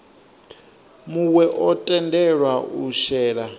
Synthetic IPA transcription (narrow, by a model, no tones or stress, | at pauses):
muwɛʔɔtʼɛndɛɺwauʃɛːɺa